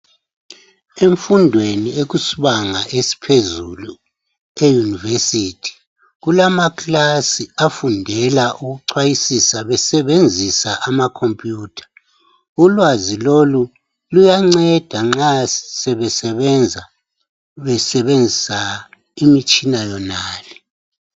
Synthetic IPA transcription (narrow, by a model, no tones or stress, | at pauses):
eɱfundʱwenieɣusuβaŋaʔesi̥pʰezulu | ejunivesiːtʰi̥ | ɣulamakʼlasiafundʱɛlaʔuɣuǀwajisisaβɛsɛβend͡zʱisaʔamakʰompʼjuːtʰḁ | ulwazilolu | lujaŋ͡ǀɛd̥ʱaŋ͡ǁasɛβɛsɛβɛnd͡zʱa | βɛsɛβend͡zʱisa | imit͡ʃʼinajɔnaːlɛ